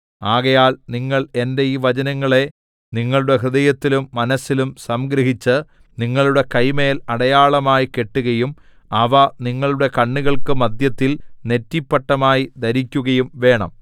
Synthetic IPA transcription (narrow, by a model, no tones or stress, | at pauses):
aːɣɐjaːlniŋːɐɭe̞nde̞iːʋɐd͡ʑɐnɐŋːɐɭe̞ | niŋːɐɭuɽe̞ɦrɨðɐjɐt̪ːilumːɐnɐsːilumsɐmɡɾɐɦit͡ɕːɨ | niŋːɐɭuɽe̞kɐjme̞ːlɐɽɐjaːɭɐmaːjike̞ʈːuɣɐjum | ɐʋɐniŋːɐɭuɽe̞kɐɳːuɣɐɭkɨmɐd̪jɐt̪ːilne̞tːipːɐʈːɐmaːjid̪ɐɾikʲːuɣɐjumʋe̞ːɳɐ̰m